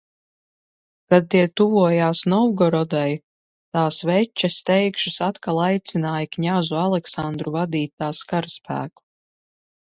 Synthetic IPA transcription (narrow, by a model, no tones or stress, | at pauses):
kad̪̚t̪iɛt̪uvuɔjaːsnɔwɡɔɾɔd̪aj | t̪aːsvɛt͡ʃːast̪ɛjkʃusat̪kalˠajt̪sinaːjkɲʲazualˠɛksand̪ɾuvad̪iːt̪aːskaɾspʰæ̰ːklˠu